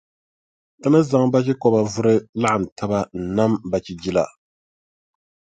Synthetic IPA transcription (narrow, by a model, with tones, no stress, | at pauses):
tɨ˦na˦za˨ŋba˦kɪ˦kɔ˨ba˨vʊ˦ɾɨ˦la˦ʔa˨n̩˨tʰa˦ba˦n̩˨na˦mba˨t͡ʃi˨d͡ʒi˦la˨